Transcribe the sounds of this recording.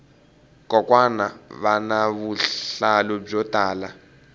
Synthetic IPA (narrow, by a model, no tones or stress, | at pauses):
kʼɔkʼwanaβanaβualɔb͡ʐɔtʼaːla